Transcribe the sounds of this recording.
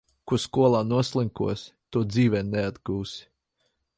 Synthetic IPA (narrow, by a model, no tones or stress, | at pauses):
kuskuɔlˠaːnuɔslˠiŋkṵɔst̪uɔd̪ziːvɛnɛad̪ɡuːs